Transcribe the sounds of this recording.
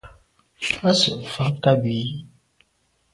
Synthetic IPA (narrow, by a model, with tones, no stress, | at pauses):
a˦sə˨ʔfa˦ka˦bi˨˦